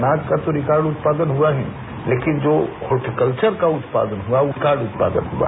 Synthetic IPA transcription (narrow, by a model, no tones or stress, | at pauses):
naːt̪kat̪oɾɪkaːɾɖʊt̪̚paːd̪ənɦuaɦɛ̰̃ | leːkɪnd͡ʒoːhoːʈikəlt͡ʃəɾkaʊt̪pa̰ːd̪ənɦuaʊɪkaːɾɖʊt̪̚pa̰ːd̪ə̰nɦua̰ː